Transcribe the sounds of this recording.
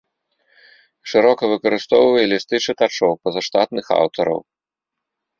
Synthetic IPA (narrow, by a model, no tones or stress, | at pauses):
ʂɨɾɔkɐvɨkɐɾɨst̪ɔwvɐjɛlʲist̪ɨt͡ʂɨt̪at͡ʂɔwpɐzɐʂt̪a̰t̪nɨxa̰wt̪ɔɾɐ̰w